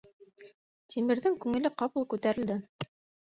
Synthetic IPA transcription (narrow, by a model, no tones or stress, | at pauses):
t̪ʲʰimɘ̆ɾðɘŋkʉŋɘ̆lɘqɑpɤlˠkʉt̪æɾɘ̆ld̪ɘ